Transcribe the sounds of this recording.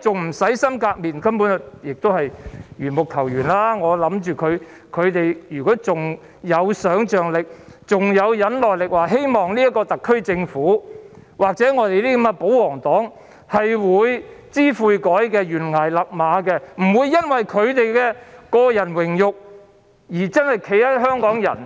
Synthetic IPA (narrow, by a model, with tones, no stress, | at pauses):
t͡sʊ˨ŋm̩˨˩sɐ˨˥jsɐ˥mkaː˧k̚miː˨nkɐ˥mpuː˨˥njɪ˨k̚t̪o˥hɐ˨jɥyː˨˩nmʊ˨k̚t̪ʰɐ˨˩wjyː˨˩nlaː˥ŋɔː˨˧lɐ˨˥mt͡ʃyː˨kʰɵ˨˧ɥ | kʰɵ˨˧ɥt̪e˨jjyː˨˩kɔː˨˥t͡sʊ˨ŋ | jɐ˨˧wsœː˨˥ŋt͡ʃœː˨ŋlɪ˨k̚t͡sʊ˨ŋjɐ˨˧wjɐ˨˧˥nlɔː˨jlɪ˨k̚waː˨ɦe˥jmɔː˨ŋliː˥jɐ˥tkːɔː˧t̪ɐ˨kʰːɵ˥ɥt͡sɪ˧ŋfuː˨˥ | waː˨k̚t͡sɛː˨˥ŋɔː˨˧t̪e˨jliː˥kɐ˧˥ɛ˧po˨˥wwɔː˨˩ŋt̪ɔː˨˥ŋ | hɐ˨jwuː˨˧j | t͡siː˥fuː˧jkɔː˨˥jkɛː˧jyː˨˩nŋaː˨˩jlɐ˨k̚maː˨˥kɛ˧m̩˨˩wuː˨˧jːɐ˥nwɐ˨jkʰɵ˨˧ɥt̪e˨jkɛː˧kɔː˧jɐ˨˩nwɪ˨˩ŋjʊ˨k̚ | jiː˨˩t͡sɐ˥nhɐ˨jkʰe˨˧˥jt̪ɐ˥ɦœː˥ŋkɔː˨˥ŋjɐ̰˨˩n